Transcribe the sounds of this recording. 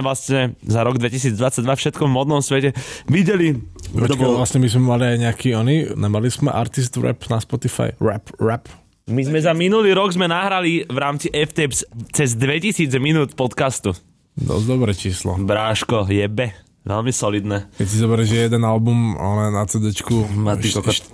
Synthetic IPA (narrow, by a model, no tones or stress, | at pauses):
ʋlasɲɛzaɾɔɡd̪ʋɛcis̬iːd͡zd̪ʋat͡saɟ̚d̪ʋafʃɛt̪kɔvmɔd̪nɔmsʋɛcɛʋiɟɛliɔt̪ɔkbalasɲɛmizmɛmaliajɲɛakiːɔninamalismɛ̰ʔa̰ɾt̪is̬t̪ɾɛ̰pnaspɔt̪ifa̰jɾɛ̰pɾɛp | mizmɛzaminuliːɾɔɡzmɛnaɦɾaliʋɾaːmt͡siʔɛft̪ɛpst͡sɛzd̪ʋɛcisiːd͡zminuːt̪pɔt̪kast̪u | d̪ɔ̰zd̪ɔbɾɛːt͡ʃiːslɔ̰bɾaːʃkɔjɛbɛ | ʋɛlmisɔlid̪nɛːkɛcsizɔbɛɾɛʒɛjɛd̪ɛnalbuma̰lɛnat͡sɛd̪ɛt͡ʃkumaikɔkɔ